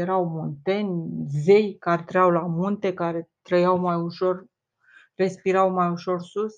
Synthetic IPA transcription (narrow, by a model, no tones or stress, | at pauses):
eɾawmunt̪e̞nʲze̞jkaɾt̪ɾəjawlamunt̪e̞kaɾe̞t̪ɾəjawmajuʃo̞r | re̞spiɾawmajuʃo̞rsus